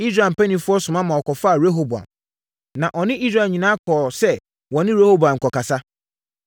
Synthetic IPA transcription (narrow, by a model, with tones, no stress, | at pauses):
i˦sɾa˨m̩˨pæ˦nĩ˨fʊ˦ɔ˦sʊ̃˨mã˦mã˨ɔ˨kɔ˨fa˦a˨ɾe˦ɦo˦bu˨a̰˨m | nã˨ʔɔ˨nɪ̃˦ʔi˦sɾa˨ɲĩ˨nãː˦kʰɔ˨sɛ˦ | wɔ̃˨nɪ̃˦ɾe˦ho˦bu˨ã˨ŋ̩˨kɔ˨ka˨sa˦